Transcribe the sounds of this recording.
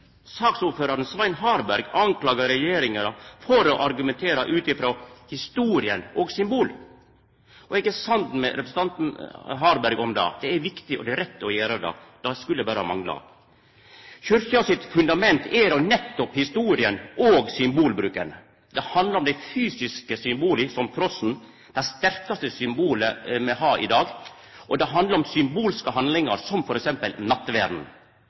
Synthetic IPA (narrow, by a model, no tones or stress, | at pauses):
sɑːksuɾføːɾɑɾənsʋɑɪnɦɑːɾbæɾɡɑŋklɑːɡɑɾɛjeːɾɪŋɑɾɑfɔɾɔʔɑɾɡʉmɛnt̪ʰeːɾɑʔʉːt̪ɪfɾoːhɪst̪uːɾɪənoːɡsʏmbuːl | ʔɔɛɡæsɑnt̪n̩mɛ̰ɾɛpɾəsət̪ɑnt̪n̩ɦɑːɾbæɾɡɔmd̪ɑ̰ːd̪̥ɛæɾʋɪkt̪ɪʔɔ̰d̪ɛɾɛt̪ːəɔjæːɾəd̪ɑ̰ːd̪̥ɑskʉld̪ɛbæːɾəhɑ̰mɑŋlɑ̰ | çʏɾçəɑsɪt̪fʉnd̪ɑmɛnt̪ʰɛɾɔnɛt̪ːɔphɪst̪uːɾɪənʔoːɡsʏmbuːlbɾʉːkən | d̪ɛhɑnd̪əɾɔmd̪æɪfyːsɪskəsʏmbuːləsɔmt̪ʰɾɔsn̩ | d̪̥æst̪æɾkɑst̪əsʏmbuːləmɛhɑːʔɪd̪ɑːɡ | ʔɔd̪ɛɦɑnd̪ləɾɔmsʏmbuːlskəɦɑnd̪lɪŋɑɾsɔmfɔɾɛksɛmpəlnɑt̪ːʋæːɾd̪n̩